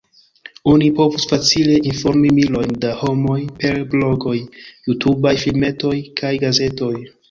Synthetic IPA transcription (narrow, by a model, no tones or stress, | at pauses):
o̞nipo̞vusfat͡sile̞ʔinfo̞ɾmimilo̞jndaho̞mo̞jpe̞ɾblo̞ɡo̞jːutʰubajfilme̞to̞jkʰajɡaze̞to̞j